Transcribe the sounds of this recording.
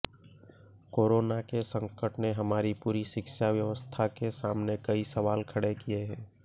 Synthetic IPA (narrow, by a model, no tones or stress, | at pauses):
koːɾoːnakesə̃ŋkəʈneɦɐmaːɾipuːɾiʃɪkʃaʋjɐʋəst̪ʰakesaːmnekɐisəʋaːlkʰɐɽekieɦɛ̃ː